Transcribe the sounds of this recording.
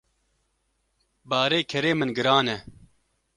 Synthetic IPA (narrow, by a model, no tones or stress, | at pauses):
baːɾeːkʰɛɾeːmɨnɡɨɾaːnɛ